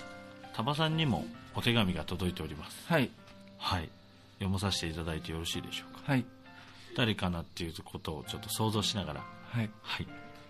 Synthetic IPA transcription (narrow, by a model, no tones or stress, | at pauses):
t̪ʰabasãɲ̟ːimo̞̰ot̪e̞ɡamʲiɡat̪o̞d̪o̞it̪e̞oɾʲimasɨ̥i | hai | jo̞mos̬aɕi̥t̪e̞it̪ad̪ait̪e̞jo̞ɾo̞ɕiːd̪e̞ɕo̞̥ːkḁi | d̪̥aɾe̞kanat̪ːe̞jɯ̟ːkʰo̞t̪o̞ːt͡ɕo̞t̪ːoso̞ːzo̞ːɕinaɡaɾa̰ihai